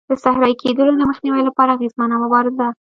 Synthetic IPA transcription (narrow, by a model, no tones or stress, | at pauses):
d̪̥əsahɾɑjkʰed̪əlod̪əməxniwajlapɑɾaːɣezmanamʊbɑɾɪza